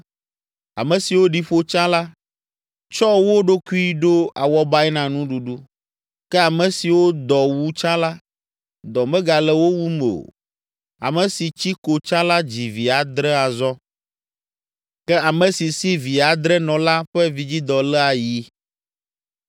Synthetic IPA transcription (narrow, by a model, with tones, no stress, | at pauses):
a̰˨mɛ̃˨si˨wo˦ɖi˦ɸo˦t͡ʃã˦la˦ | t͡ʃɔ˦wo˦ɖo˦ku˦i˦ɖo˦a˨wɔ˦ba˦ɛ˦nã˨nũ˦ɖu˨ɖu˦ | kɛ˦a˨mɛ̃˨si˨wo˦d̪ɔ˨wu˦t͡ʃã˦la˦ | d̪ɔ˨mɛ̃˦ɡa˨lɛ˦wo˦wu˦me˨o̰˨ | a̰˨mɛ̃˨si˨t͡ɕi˦ko˨t͡ʃã˦la˦d͡ʑi˨vi˨a˨d̪ɾɛ˦a˨zɔ˦ | kɛ˦a˨mɛ̃˨si˨si˦vi˨a˨d̪ɾɛ˦nɔ̃˨la˦ɸɛ˦vi˨d͡ʑi˦d̪ɔ˨lɛ˦a˨ji˦